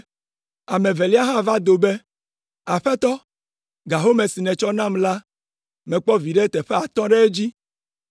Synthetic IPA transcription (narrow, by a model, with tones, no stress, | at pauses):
a˨mẽ˨ve˨li˦a˦ɦã˦va˦d̪o˨be˦ | a˨ɸɛ˦t̪ɔ˦ | ɡa˨ɦo˦me˨si˨nɛ̃˨t͡ʃɔ˦nã˦mla˦ | mɛ̃˨k͡pɔ˦vi˨ɖe˦t̪ɛ˨ɸɛ˦a˨t̪ɔ̃˦ɖe˦e˦d͡ʑi˦